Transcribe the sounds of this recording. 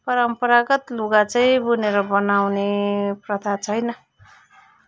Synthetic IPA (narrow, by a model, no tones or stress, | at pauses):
pʌɾʌmpʌɾaɡʌt̪luɡat͡sʌĩbuneɾʌbʌnawneprʌt̪ʰat͡sʰʌjnʌ